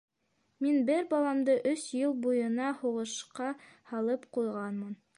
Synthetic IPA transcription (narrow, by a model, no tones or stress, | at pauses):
minbɘɾbɑlˠɑmd̪ɤʔɵsjɤlˠbujɤ̆nɑhuʁɤ̆ʃqɑhɑlˠɤpqujʁɑnmɤn